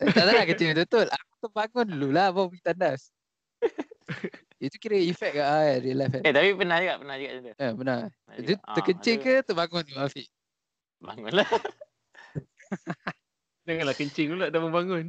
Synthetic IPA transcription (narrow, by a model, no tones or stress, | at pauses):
ʔet̪andalakət͡ʃət̪ut̪olʔakut̪obaŋʊnlulahbabəɡit̪andas | jit̪ukiɾəifɛk̚kaʔajaɾiəlajfɛnet̪apipənahd͡ʒəɡaʔpənahd͡ʒəɡaʔat̪əabəna | d͡ʒut̪əkəɲt͡ʃɪŋkət̪oʔbaŋʊnluafiʔ | ba̰ŋʊnla | d͡ʒaŋanlahkəɲt͡ʃɪŋlulaʔdaməmbaŋʊn